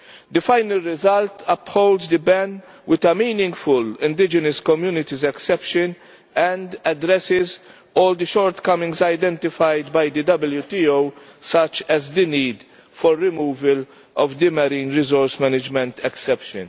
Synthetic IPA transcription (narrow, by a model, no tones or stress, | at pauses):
d̪ɨfaɪnəlɾɪzɐlt̪ʰɐphoʊld̪zd̪əbɛn | wɪt̪ɐmiːnɪ̃ŋɡfʊlɪ̃nd̪ɪd͡ʒənəskɔmjuːnɪt̪izɛksɛpʃən | ɛ̃nd̪ɐd̪ɾɛsɪz | ɔːld̪əʃɔːɾt̪kɐmɪ̃ŋɡzajd̪ɛ̃nt̪ɪfajd̪bɐjd̪ɨd̪ɐbəljut̪iowsɐt͡ʃɛzd̪iniːd̪ | fɔɾːɪmuːvəl | ʔɔvd̪ɪmɐɾĩːnɾɪzɔɾsmɛnɪd͡ʒmɛ̃nt̪ʰɛksɛpʃə̰̃n